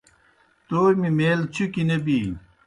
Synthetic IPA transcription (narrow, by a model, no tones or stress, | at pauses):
t̪oːjmimeːlt͡ɕʰukinebiː